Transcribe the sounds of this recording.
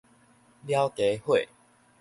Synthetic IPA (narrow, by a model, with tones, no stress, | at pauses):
lja˦wke˨˦hwe˥˨